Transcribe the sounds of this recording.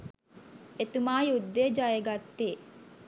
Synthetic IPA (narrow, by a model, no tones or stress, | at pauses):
et̪umaːjud̪ːeːd͡ʒajeɡat̪ːeː